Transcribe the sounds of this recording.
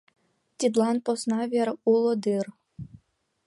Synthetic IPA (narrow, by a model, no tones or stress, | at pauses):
t̪ʲid̪lˠɑnposnɑvʲeɾulˠod̪ɨr